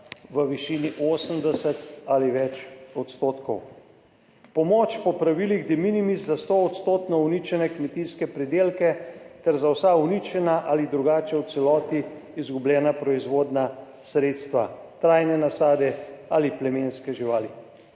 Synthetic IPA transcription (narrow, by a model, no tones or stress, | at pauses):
ʋəʋiʃiniʔoːsəmd̪ɛsɛt̪aliʋɛt͡ʃɔt̪st̪oːt̪kɔw | pɔmoːt͡ʃpɔpɾaʋiliɣd̪eminimizzast̪oɔt̪st̪oːt̪nɔunit͡ʃɛnɛkmɛt̪iskɛpɾɛd̪eːlkɛt̪ɛɾzawsaunit͡ʃɛnaʔalid̪ɾuɡaːt͡ʃɛwt̪sɛlɔːt̪iː | zɡubljɛːnapɾɔizʋoːd̪na | sɾeːt̪st̪ʋa̰ | t̪ɾajnɛnasaːd̪ɛaliplɛmeːnskɛʒiʋaːli